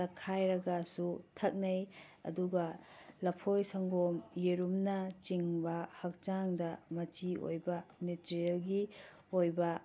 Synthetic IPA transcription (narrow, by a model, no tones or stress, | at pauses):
ɐkʰajɾɐɡɐsutʰɐk̚nɐj | ɐ̰duɡɐ | lɐpʰojsɐŋɡomjeɾumnɐt͡ʃiŋbɐhɐk̚t͡ʃaŋdɐmɐt͡ʃio̰jbɐnitɾielɡi | ojbɐ